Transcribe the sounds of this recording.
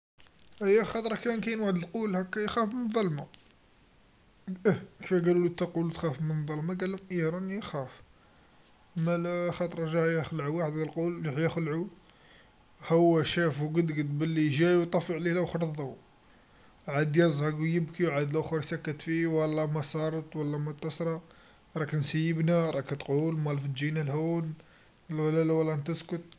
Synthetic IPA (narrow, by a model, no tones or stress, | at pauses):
həjːæxɑt̪ˤɾˤɑkænkæjnwaʕəd̪əlqulhækːæjxæfmənðˤɑlmɑ | kəfæɡælulit̪ːæqulut̪xæfmənd̪ˤɑlmɑɡælːəmʔiɾˤɑnixæf | mælxɑt̪ˤɾˤɑʒæhjæxlʕuwaħəd̪əlqulːhjəxlʕu | həwːæʃæfwɡəd̪ɡəd̪bəlːiʒæjwt̪ˤɑfəʕlilæʔʊxɾˤðˤɑw | ʕad̪jɑzˤhɑɡwjəbkiwʕad̪læʔxɾsækːət̪fiwəlːæmɑsˤɑɾˤət̪ˤwəlːæmʊt̪ːɑsɾˤɑ | ɾˤɑknsəjːəbnaɾˤɑkt̪qulmɑlfəd̪d͡ʒinælhun | llælæwəlːænt̪əskʊt̪̚